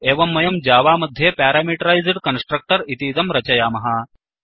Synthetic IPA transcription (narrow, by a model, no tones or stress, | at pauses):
eːʋɐmːɐjɐmd͡ʑaːʋaːmɐd̪ʱjepæːɾaːmiːʈɐɾajzɖkɐnsʈɾɐk̚ʈɐɾit̪iːd̪ɐmɾɐt͡ɕɐjaːmɐɦaː